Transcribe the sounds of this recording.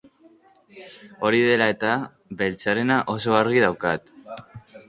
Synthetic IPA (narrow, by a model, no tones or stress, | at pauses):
o̞ɾiðe̞lae̞t̪a | be̞lt͡saɾe̞naʔo̞so̞aɾɣiðawkat̪